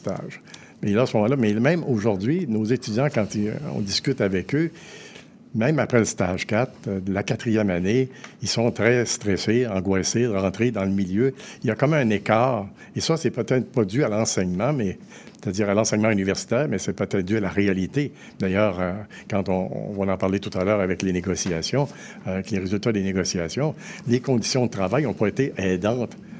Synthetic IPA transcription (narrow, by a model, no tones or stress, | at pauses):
t̪a̰ːʒ | elaasmɔmɑ̃lʌmɛmɛ̃moʒuʁd̪ɥinozet̪yd͡zjɑ̃kɑ̃t̪iɔ̰̃d̪iskʲyt̪avɛkø | mɛ̃mapʁɛləst̪aːʒ̥kat̪χəlakat̪ʁijɛmaneilsɔ̃t̪ʁɛst̪ʁɛseɑ̃ɡwaseʁɑ̃t̪ʁed̪ɑ̃ləmiljøiljakɑ̃mɛɛ̃nekaːʁ | esʌsɛpøt̪ɛːt̪χə̥pad̪yalɑ̃sɛɲmɑ̃mɛ | se̥t̪ad̪iːʁalɑ̃sɛɲmɑ̃ynivɛʁsi̥t̪ɛːʁmɛsɛpøt̪ɛt̪̚d̪yalaʁealit̪e | d̪ajœːʁø | kɑ̃t̪ɔ̰̃vɔ̃nɑ̃paʁlet̪u̥t̪alœːʁavɛkleneɡɔsiasjɔ̃ | avɛkleʁezylt̪ad̪eneɡɔsiasjɔ̃lekɔ̃d̪i̥sjɔ̃d̪ət̪ʁavajɔ̃pɔet̪eʔɛd̪ɑ̃t̪